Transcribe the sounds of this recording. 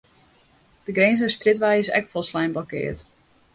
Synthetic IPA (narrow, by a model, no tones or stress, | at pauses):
d̥əɡreːnzəstrɪtʋɛjəsɛ̰kfɔlˠslɛjmblɔkɪ̰ːət